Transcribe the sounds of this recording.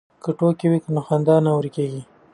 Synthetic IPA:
kəʈokiwikənoxand̪ɑnawɾikeɡi

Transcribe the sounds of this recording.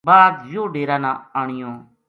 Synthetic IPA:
baːd̪joːɖeːɾãːnãːaːɳ̃ɪjõː

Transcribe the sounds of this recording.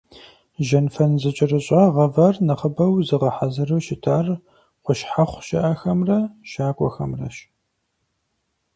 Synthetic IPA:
ʒɐnfɐnzɨt͡ʃʼɪrɨɕʼɑʁɐvɐrnɨχəbɐwzɨʁɐħazɨruːʃɪtʰaːr | qʷʊʃħaχʷʃɐʔɐxɐmrɐʃaːkʷʼɔ̰xɐmrɐ̰ʃ

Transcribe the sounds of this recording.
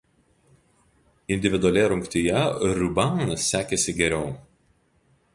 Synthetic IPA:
ɪnʲd̪ʲɪʋʲɪd̪ʊɐlʲɛɾʊŋkt̪ʲɪjɛɾʲʊbɑɐsːʲæːkʲesʲɪɡʲɛɾʲɛʊ

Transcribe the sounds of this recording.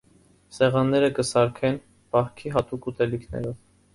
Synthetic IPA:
sɛʁɑnːɛɾəkəsɑɾkʰɛn | pɑhkʰiɦɑt̪ukut̪ɛlikʰnɛ̰ɾɔv

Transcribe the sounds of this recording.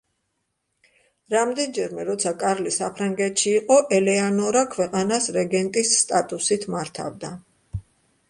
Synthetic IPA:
ɾamd̪ɛnd͡ʒɛɾmɛɾɔt̪sʰakʼaɾlisapʰɾaŋɡɛt̪ʰʼʃiːqʼɔʔɛlɛanɔɾakʰwɛqʼanasɾɛɡɛnt̪ʼisːt̪ʼat̪ʼusit̪ʰmaɾt̪ʰa̰vd̪a

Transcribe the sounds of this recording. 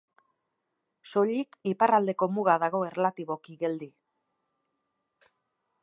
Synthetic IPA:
so̞ʎikiparald̪e̞ko̞muɣaðaɣ̞o̞e̞relat̪iβo̞kiɣe̞ld̪i

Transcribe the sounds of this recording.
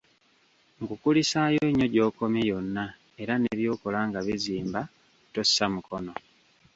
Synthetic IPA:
ŋɡukulisaːjoɲːo̞ɟo̞ːko̞mjejo̞nːa | e̞ɾaneβjo̞ːko̞laːŋɡaβiziːmba | to̞sːamukʰo̞no̞

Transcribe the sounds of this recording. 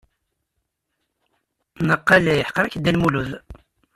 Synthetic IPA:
nəqːɑlæjəħqːəɾækd̪ːælmuluð

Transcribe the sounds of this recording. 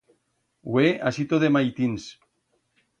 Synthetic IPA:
weasit̪oðemajt̪ins

